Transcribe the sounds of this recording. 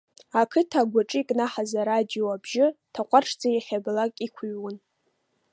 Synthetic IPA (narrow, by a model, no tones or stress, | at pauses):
akʰɨtʰaɡʷaʈ͡ʂʼikʼnaħazaɾadijoabʒɪtʰaqʷʼarʈ͡ʂʰd͡zajaχʲablakʲʼikʷʰuɥwʊn